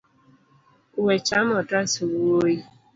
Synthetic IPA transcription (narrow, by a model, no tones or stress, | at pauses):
wet͡ʃamɔtasiwuoji